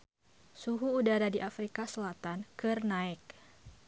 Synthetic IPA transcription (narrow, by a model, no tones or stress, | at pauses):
suɦuːdaɾadiʔafɾikasəlat̪ankɨrnaɪk̚